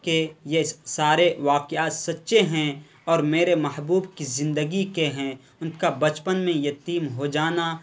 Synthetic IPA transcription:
kejesaːɾeʋaːqjaːt̪sɐtːʃeɦɛ̃ | ɔːɾmeːɾemɐɦbuːbkizɪ̃nd̪əɡikeɦɛ̃ | ʊnkabɐt͡ʃpənmẽjɐt̪iːmɦod͡ʒaːna

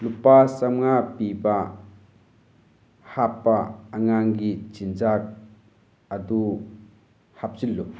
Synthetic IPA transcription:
lupasamŋapiba | hapːaːŋaŋɡit͡ʃinzak̚ | ɐdu | hap̚zilːu

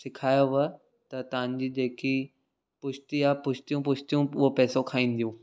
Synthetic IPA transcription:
sɪkʰaːjoʋɐ | t̪ɐt̪ɐʋ̤ə̃ɲ̆d͡ʑiːd͡ʑeːki | pʊʃt̪iapʊʃt̪ijũpʊʃt̪ijũʊɦopɛːsokʰaːĩːn̆d̪ijũː

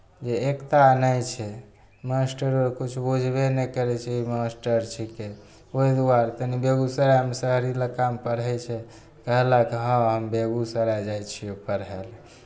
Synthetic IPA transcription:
d͡ʒeekt̪anajt͡ʃʰɛ | masʈəɾoɾkut͡ʃʰbud͡ʒʱbenəjkəɾɛt͡ʃʰɛimasʈəɾt͡ʃʰike | oid̪uaɾt̪ənibeɡusəɾajmesəɦɾilakampəɾɦɛt͡ʃʰɛ | kəɦlakɦə̃ɦəmbeɡusəɾad͡ʒajt͡ʃʰiopəɾɦel

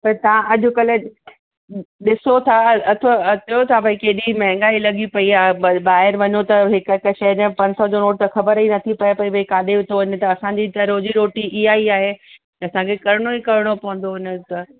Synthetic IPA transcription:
pɐɾt̪ɐʋãʔɐʄʊ̆kɐlɪ | ɗɪsot̪ʰaɐt̪ʰoɐt̪ʰjot̪ʰapɐikeːɗimɛɦɪ̃ŋɡaːilɐɠipɐiaːɦɓaːɦɪɾʋɐɲot̪ɐɦɪkkʃɐjəd͡ʑẽpɐ̃ɲsɔd͡ʑonoːʈ̚t̪ɐxɐbəɾinɐt̪ʰipɐjepɐipɐikaːɗ̪eʊt̪ʰoɪnt̪ɐɐsãɲd͡ʑit̪ɐɾoːd͡ʑiɾoːʈiʔɪɦaːiaːɦe | t̪ɐsãkʰekɐɾɪɽ̃oikɐɾɪɽ̃opɐɦʊ̃n̆d̪oɪnə̆t̪ɐ

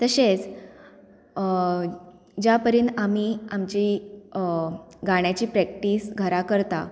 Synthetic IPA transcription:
t̪əɕet͡s | d͡ʑjapəɾiːnamiːamt͡ɕi | ɡaɳ̃jat͡ɕiːpɾɛk̚ʈiːsɡʱəɾakəɾt̪a

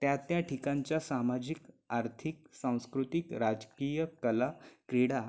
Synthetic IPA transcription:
t̪jat̪jaʈʰikãɲt͡ɕjasamad͡ʑik | aɾt̪ʰik̚sãw̃skɾut̪ikɾad͡zkijəkəlakɾiɽa

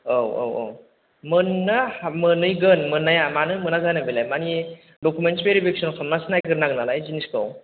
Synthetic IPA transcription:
owo̰wo̰w | mɯnːɯhamɯnɯjɡɯnmɯnːajamanɯmɯnazanɯbilajmani | dokʰumensbeɾibek̚sɔnkʰamnasɯnajɡɯɾnak̚nalajziniskʰaw

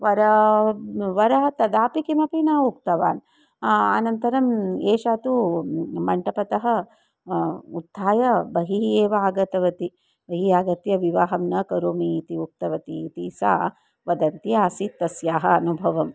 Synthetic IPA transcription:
ʋɐɾɐ | ʋɐɾɐɦɐt̪ɐd̪aːpikimɐpinaːukt̪ɐʋaːn | a̰nɐnt̪ɐɾɐmeːʃaːt̪umɐɳʈɐpɐt̪ɐɦɐ | ud̪ʱːaːjɐbɐɦieːʋaːɡɐt̪ɐʋɐt̪i | bɐɦiaːɡɐt̪jɐʋiʋaːɦɐmnɐkɐɾoːmiːt̪iuk̚t̪ɐʋɐt̪iːt̪isa̰ː | ʋɐd̪ɐnt̪jiaːsit̪ːɐsjaːɦɐɐnubʱɐʋɐm

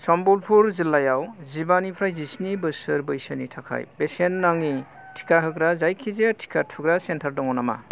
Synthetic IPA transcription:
sɔmbulpʰuɾzilːajawzibanipʰɾajzisnibɯsɯɾbɯjsɯnitʰakʰa̰jbesenːaŋi | tʰi̥kʰaɦɯɡɾazajkʰizetʰi̥kʰatʰuɡɾasentʰaɾdɔŋɔnama̰

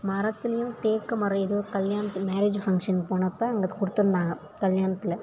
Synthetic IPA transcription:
mɐɾɐt̪ːɪlɐjʊ̃t̪eːkːɐmɐɾɐ̃ɛðoʋkɐljaːnɐt̪ːmaːɾeːd͡ʒfɐŋkʂɐnpoːnɐpːɐɐŋɡɐkʊɽɯt̪ːɯnd̪aːŋɡɐ | kɐljaːnɐt̪ːɪlɐ

